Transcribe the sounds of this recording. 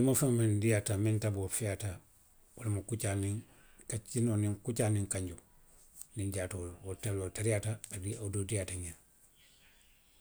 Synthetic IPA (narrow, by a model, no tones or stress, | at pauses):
mafamandijatamĩntabofɛjata | wolamukut͡ʃaniŋ | kat͡ʃinonĩŋkut͡ʃanĩŋkaɲɟu | niɲd͡ʒaːtowotalotaɾijataːdiadodijataɲa